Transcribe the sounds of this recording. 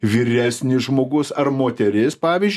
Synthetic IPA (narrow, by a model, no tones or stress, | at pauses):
ʋʲiːɾʲæːsʲnʲɪʒmoːɡʊsɐɾmoːt̪ʲɛɾʲɪspɑːʋʲizʲd͡ʒʲ